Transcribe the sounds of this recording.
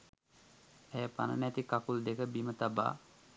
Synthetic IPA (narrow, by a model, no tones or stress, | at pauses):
ɛjəpanə̰nɛt̪ikakuld̪ekəbimət̪aba̰ː